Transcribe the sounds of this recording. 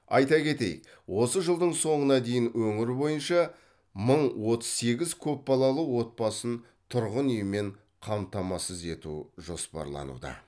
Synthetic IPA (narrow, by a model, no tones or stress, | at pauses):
ɑjt̪ɑkʲʰe̞t̪e̞̰j | wo̞səʒəlˠd̪əɴso̞ɴənɑd̪e̞jɪnwɵŋɪɾbo̞jənʃɑ | məɴwo̞t̪əz̥se̞ɡʲɪzkʲʰɵp̚bɑlˠɑlˠəwo̞t̪̚pɑsən | t̪ʰʊɾʁənʏjme̞ɴ | qʰɑmt̪ɑmɑsəze̞t̪uʒo̞spɑ̰ɾlˠɑ̰nṵd̪ɑ̰